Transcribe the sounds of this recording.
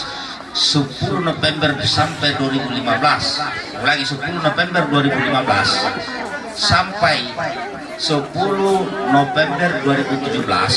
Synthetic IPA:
supunɔfɛmbɛrsampajduaɾibulimablas | ulaɡisupulunɔfɛmbɛrduaɾibulimabla̰sː | ampaj | sɔpulunɔfɛmbɛrduaɾibut̪ud͡ʒubla̰s

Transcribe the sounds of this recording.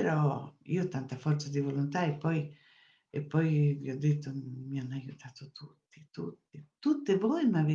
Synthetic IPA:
eɾɔḭːot̪ant̪afɔɾt̪sad̪ivolont̪aepːɔj | epːɔjviɔd̪ːet̪ːomianːajut̪ʰaːt̪ot̪ʰut̪ːi̥t̪ut̪ːit̪ut̪ːevɔjmave

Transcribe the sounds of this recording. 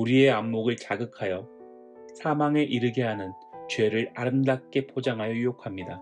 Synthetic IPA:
uɾie̞amːoɡɯɭt͡ɕaɡɯkʰajʌ | sʰamaŋe̞ʔiɾɯɡeɦanɯn | t͡ɕwe̞ɾɯɾaɾɯmdak͈e̞pʰod͡ʑaŋɦajʌjujokʰamɲida

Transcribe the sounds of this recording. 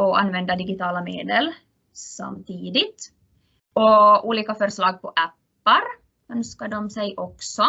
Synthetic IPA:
ɔʔa̰nːvɛnd̪ad̪ɪɡɪt̪ʰɑːlameːd̪əl | sa̰mt̪ʰiːd̪ɪt̪ | ɔuːliːkafœɾʂlɑːɡ̚pʰɔʔæpːaɾ | œnskaɖɔmsɛjʔɔksɔ

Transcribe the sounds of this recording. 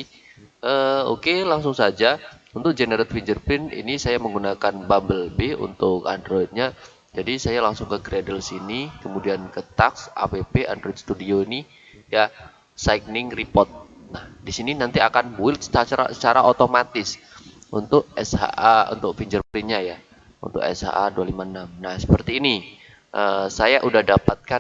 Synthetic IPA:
ʔəːo̰kelaŋsʊŋsad͡ʒaunt̪ʊk̚d͡ʒeneɾɛt̪̚fiɲd͡ʒərpɪnḭnisajaməŋɡunakanbambəlbeṵnt̪ʊka̰ndɾoit̪̚ɲa | d͡ʒadisajalaŋsʊŋkəɡɾedəlsinikəmudiankət̪aksʔa̰pepeʔandɾoit̪̚st̪udioini | ja | saik̚nɪŋripɔrt̪̚nahdisininant̪iakanbuɪlsə̥t͡ʃat͡ʃaɾa̰sət͡ʃaɾaʔot̪omat̪ɪs | unt̪ʊk̚ɛsha̰ʔaṵnt̪ʊk̚fiɲd͡ʒərpɾɪnɲaja | ṵnt̪ʊ̰kɛ̰sha̰ʔadualimanamnahsə̥pərt̪iːni | ʔəːsajaʔudahdapat̪̚ka

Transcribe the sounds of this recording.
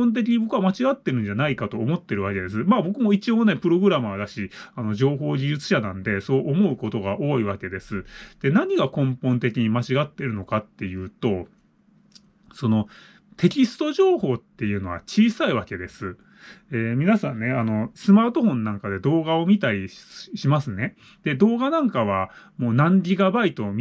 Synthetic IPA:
õnt̪̬ekʲiɲ̟ibo̞kɯ̟βamat͡ɕiɡat̪ːe̞ɾɯ̟̃ɲ̟d͡ʑanaikat̪o̞ːmo̞t̪ːe̞ɾɯ̟βake̞d̪e̞sɨmaːbo̞kɯ̟mo̞it͡ɕio̞ːne̞pɯ̟ɾo̞ɡɯ̟ɾamɯad̪aɕianod͡ʑʑo̞ːɦo̞ːd͡ʑiʑɨt͡sɨ̥ɕanãnd̪e̞so̞ːʔomo̞ɯ̟ko̞t̪o̞ɡaʔo̞ːiβake̞d̪e̞sɨd̪̥e̞naɲ̟iɡakõ̞mpõ̞nt̪e̞kʲiɲ̟imat͡ɕiɡat̪ːe̞ɾɯ̟no̞kat̪ːe̞jɯ̟ːt̪o̞ | so̞no̞ | t̪e̞kʲisɨ̥t̪o̞ʑo̞ːho̞ːt̪ːe̞jɯ̟ːno̞βa̰t͡ɕiːsaiβake̞d̪e̞sɨ | eːmʲinasãnːe̞ano̞sɨmaːt̪o̞hõ̞nːãŋkad̪e̞d̪o̞ːɡao̞mʲit̪aɾʲiɕimasɨne̞ | d̪̥e̞d̪o̞ːɡanãŋkaβ̞amo̞ːnãndʲiɡabait̪o̞mʲ

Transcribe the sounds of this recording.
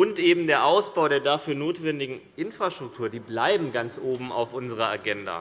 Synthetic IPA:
ʊntʔeːbm̩deːɐʔaʊsb̥aʊɾeːɐdafyːɐnoːtv̥ɛndɪɡŋ̩ʔɪnfʁ̥aʃtʁ̥ʊktʰuːɐdiːblaɪbm̩ɡant͡sʔoːbm̩a̰ʊfʔʊnzəʁ̞ɐa̰ɡɛnda̰ː

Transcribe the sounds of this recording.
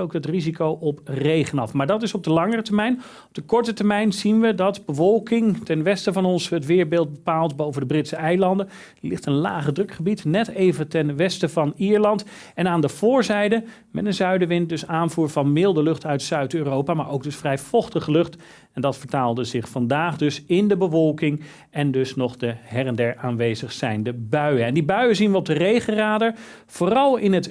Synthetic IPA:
owk̚dətrizikowʔɔprejχənɑfmaːɹdɑtɪsɔb̚dəlɑŋərətəɹmɛjn | ɔp̚d̥əkɔɹtətəɹmɛjnzinʋədɑtbəvɔlˠkɪŋtɛnʋɛstəvɑnɔnsɦətʋɪːɹbeːlˠt̚bəpaːlˠtbowvəndəbrɪtsəɛjlɑndə | lɪ̰χtənla̰ːχədrɵkχəbitnɛtejvətɛnʋɛstəvɑniːɹlɑnt | ɛnaːndəv̥ʊːɹzɛjdə | mɛ̰tənzœɥdəʋɪnt̚dɵsaːnvuːɹvɑnmɪlˠdəlɵχtœɥtsœɥtøːrowpaːmaːɹʔoʊwɡ̚dɵsfrɛjv̥ɔχtəχəlɵχt | ɛndɑtfəɹtaːlˠdəzɪχfɑndaːχdɵsɪndəbəvɔlˠkɪŋ | ɛndɵsnɔχdəɦɛrəndɛɹaːnʋejzəχsɛjndəbœɥəɛndibœɥəzinʋəɔb̚dərejχəraːdəɹ | v̥ʊːrɑlˠɪnɦət

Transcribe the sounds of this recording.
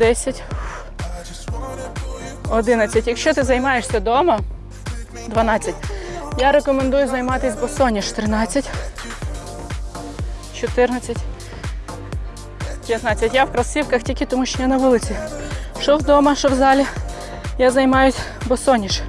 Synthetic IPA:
d̪ɛsʲɐtʲ | ɔd̪ɪnɐt͡sʲːɐtʲjɐkʃt͡ʃɔt̪ɪzɐjmɑjeʂsʲɐd̪ɔmɐ | d̪ʋɐnɑt͡sʲːɐtʲjaɾekɔmend̪ujʊzɐjmɑt̪ɪsʲbɔsɔnʲiʃt̪ɾɪnɑt͡sʲːɐtʲ | t͡ʃɔt̪ɪrnɐt͡sʲːɐtʲ | pjɐt̪nɑt͡sʲːɐtʲjawkɾɐsiwkɐxtʲikɪt̪ɔmuʃt͡ʃɔjanɐʋulˠɪt͡sʲiʃɔwd̪ɔmɐʃɔwzɑlʲi | jazɐjmɑjʊsʲ | bɔsɔnʲiʃ

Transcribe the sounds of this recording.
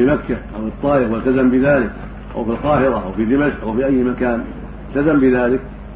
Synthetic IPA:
imakːaʔawɨt̪ˤːɑːʔɪfwalt̪azambɪðaːlɪk | ʔa̰wfilqɑːhɪɾˤaʔawfid̪ɪmaʃʔʔawfiʔajːmakaːn | ɪlt̪azambɪðaːlɪk̚

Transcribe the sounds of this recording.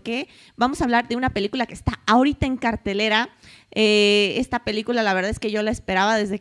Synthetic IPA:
ke̞ | bamo̞saːβlaɾðeunape̞likulake̞ːst̪aaoɾit̪ae̞ŋkaɾt̪e̞le̞ɾa | ee̞st̪ape̞likulalaβe̞ɾðaðe̞ske̞ʝo̞laespe̞ɾaβaðe̞zðe̞

